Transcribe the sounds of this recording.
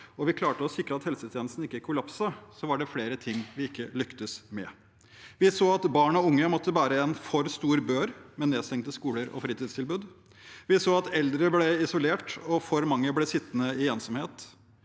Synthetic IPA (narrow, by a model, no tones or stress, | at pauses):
ɔʋɪkʰlɑːʈəɔsɪkɾəɑt̪hɛlsət̪ʰɪɛn̩st̪n̩ɪkːəkʰʊlɑpsɑsɔʋɑɖɛfleːɾət̪ʰɪŋːʋɪɪkːəlʏkt̪əsmɛ̰ | ʋɪsoːɑt̪bɑːɳɔʊŋːəmɔt̪ːəʋæːɾəɛnfɔɾst̪uːɾbøːɾmɛnːeːd̪st̪ʰɛŋt̪əskuːləɾɔ̰fɾiːt̪ɪːd̪st̪ʰɪlbʉːd̪ | ʋɪsoːɑt̪ɛld̪ɾəblɛɪsʊleːʈɔfɔɾmɑŋːəblɛsɪt̪ːnəɪɛːnsɔmheːt̪